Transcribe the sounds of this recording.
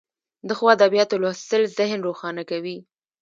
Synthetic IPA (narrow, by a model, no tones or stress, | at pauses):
d̪əxwɑad̪abijɑt̪olɑst̪əlzɪhnɾoxɑnakawi